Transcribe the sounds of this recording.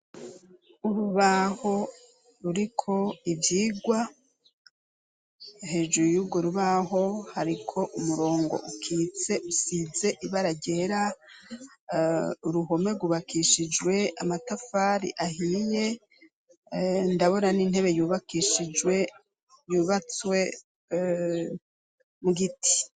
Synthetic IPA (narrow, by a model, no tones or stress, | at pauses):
uɾuβaho̞ | ɾuɾikʰo̞ivjiːɡwa | he̞ːʒuɾujuɡo̞ɾuβaɦo̞haɾikʰo̞ʔumuɾo̞ːŋɡo̞̰ʔukʰiːt͡se̞ʔusiːze̞ʔiβaɾaɟeɾa | uɾuɦo̞me̞ɡuβakʰiʃid͡ʒwe̞amatafaɾḭʔahije̞ | ndaβo̞nanin̥e̞βe̞juːβakiʃid͡ʒwe | juːβat͡swe̞ | muɡiti̥